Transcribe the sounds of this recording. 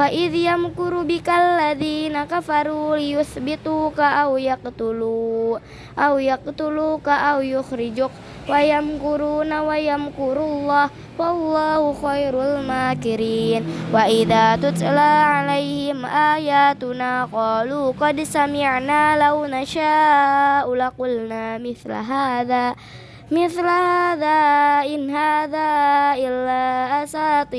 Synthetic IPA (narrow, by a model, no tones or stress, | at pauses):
faʔiðjamkuɾubikalːaðiːnakafaɾulijʊθbit̪ukaʔawjaq̚t̪ulu | ʔawjak̚t̪ulukaʔawjʊxɾɪd͡ʒʊk̚ | wajamkuɾunawajamkuɾulːah | walːahuxajɾlmaːkiɾinwaʔɪðaːt̪ʊt̪laːʕalajhɪmʔaːjaːt̪ʊnaːqɑːluːqɑd̪samɪʕnaːlawnaʃaːʔulaqʊlnaːmɪθla̰ɦaːðaː | mɪθlahaːðaːʔɪnɦaːðaːʔɪlːaːʔasaːt̪ˤi